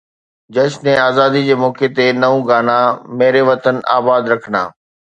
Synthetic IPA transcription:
d͡ʑɐʃnɛ̃aːzaːd̪id͡ʑeːmɔːket̪enɐʋũɡaːnameːɾeʋɐt̪əna̰ːbaːd̪ɾɐkʰəna̰ː

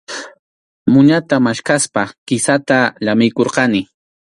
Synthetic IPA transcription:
mʊɲat̪amaʃkaspakɪsat̪aʎamɪjkoɾqɑnɪ

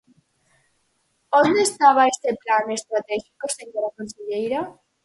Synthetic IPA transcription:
õnd̪eest̪aβ̞aest̪eplanest̪ɾat̪exikoseɲoɾakonseʎejɾa

